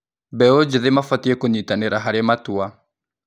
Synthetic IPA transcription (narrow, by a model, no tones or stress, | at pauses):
bɛod͡ʒiðemafatiɛkoɲitaneɾaɦaɾematua